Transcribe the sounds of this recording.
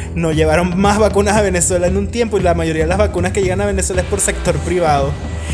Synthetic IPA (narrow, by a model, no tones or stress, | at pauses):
no̞ʝe̞βaɾo̞ŋmazβakunasaβe̞ne̞swe̞laenunt̪je̞mpoilamaʝo̞ɾiaðeazβakunaske̞ʝe̞ɣanaβe̞neswelaespo̞ɾse̞k̚t̪o̞ɾpɾiβ̞aðo̞